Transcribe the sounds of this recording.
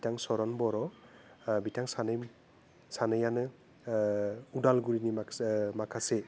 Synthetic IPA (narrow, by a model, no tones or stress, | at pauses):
bitaŋsɔɾɔnbɔɾɔ | bitaŋsanɯj | sanɯjanɯ | udalɡuɾinimakʰase